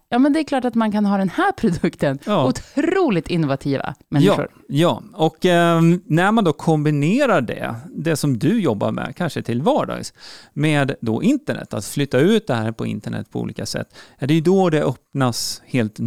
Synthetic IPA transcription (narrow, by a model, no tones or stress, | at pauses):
jɑːmɛnd̪ɛklɑːʈat̪mankʰanɦɑːd̪ɛnhæːɾpʰɾʊd̪ɵkt̪ənːʊt̪ʰɾuːlɪt̪ɪnːʊvat̪ʰiːva̰mɛnːɪɧʊ̰ɾ | jɑːɔkː | næɾmand̪ɔkʰɔmbɪneːɾaɖɛ̰d̪ɛsɔmd̪ɵjɔbːa̰ɾmɛ̰kʰanʂət̪ʰɪlvɑːɖɑ̰ːɡsmɛːd̪d̪ɔ̰ʔɪnt̪əɳɛ̰t̪ːat̪flʏt̪ːaʉ̟ːt̪̚d̪ɛhæːɾpʰɔɪ̰nt̪əɳɛ̰t̪ːpʰɔṵːliːkasɛ̰t̪ːɛɖɛjɵd̪ɔd̪ɛʔœp̚nasheːlt̪